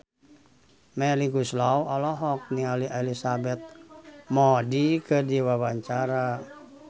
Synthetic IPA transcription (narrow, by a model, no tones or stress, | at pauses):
mɛliɡuslauɔlɔɦɔk̚nialiʔelisabɛt̪̚mɔdikədiwawaɲt͡ʃaɾa